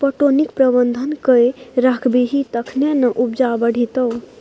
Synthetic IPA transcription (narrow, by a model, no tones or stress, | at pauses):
pəʈonikpɾəbənd̪ʱənkəjɾakʰbeɦit̪əkʰnenəʔup̚d͡ʒabəɽ̤ʱit̪əw